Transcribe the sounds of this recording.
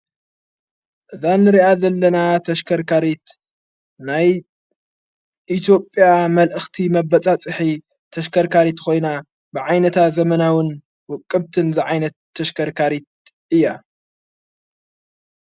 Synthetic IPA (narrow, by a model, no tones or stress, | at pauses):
ʔɨzanːɨɾiʔazɐlːɐnat̪ʰɐʃkʰɐɾkaɾit̪ | naj | ʔit̪ʰjo̞pʼːjamɐlʔɨxt̪ʰimɐbɐt͡sʼat͡sʼɨħi | t̪ʰɐʃkʰɐɾkaɾit̪kʰo̞jna | bɨʕajnɐt̪ʰazɐmɐnawɨn | wʊkʼːɨbt̪ʰɨnzɨʕajnɐt̪ːɐʃkʰɐɾkʰaɾit̪̚ | ɨjːa